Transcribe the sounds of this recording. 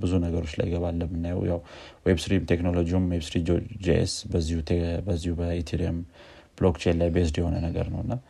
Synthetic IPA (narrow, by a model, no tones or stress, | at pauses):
bɨzunəɡəɾo̞t͡ʃːla̰jːɪɡəβalːəmːɨnːajə̰wjawwebsɾimt̪ʰe̞kno̞lo̞d͡ʒiumwebsɾid͡ʒod͡ʒeʔḛsbəzːihut̪ʰebəzːihubəit̪ʰiɾiəm | b̥lokt͡ʃʰe̞nlajbes̬d̪jɛho̞nənəɡə̰ɾnə̰wɨnːa